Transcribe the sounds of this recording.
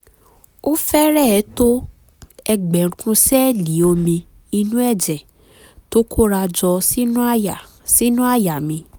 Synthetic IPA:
o˦fɛ˦ɾɛ˦˨˦to˦ | ɛ˧ɡ͡bɛ̃˨˧kũ˧sɛ˦˨li˨˦o˧mĩ˧ | i˧nũ˦ɛ˦˨d͡ʒɛ˨ | to˦kʰo˦ɾa˧d͡ʒɔ˧si˦nũ˦˨ | si˦nũ˦a˦˨ja˨mĩ˧

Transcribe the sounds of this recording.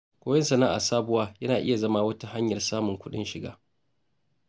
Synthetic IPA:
kʷoː˦jɛ˦nsɐ˨naː˦ʔa̰˨saː˦bʊ˦waː˦jɐ˦naː˨ʔɪ̰˦ja˨zɐ˦maː˦wɐ˦ta˦ha˦ɲjɐ˨rsaː˦mʊ˨ŋkʷʊ˦ɗɪ̰˦nʃɪ˨ɡa̰ː˦

